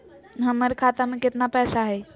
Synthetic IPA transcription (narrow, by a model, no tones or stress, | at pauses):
ɦəmːəɾkʰat̪əɾmeket̪napɛsaɦəj